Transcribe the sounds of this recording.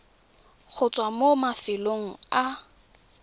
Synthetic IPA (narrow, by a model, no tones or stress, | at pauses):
k͡xʰʊt͡sʼwamomafɪloŋ̩a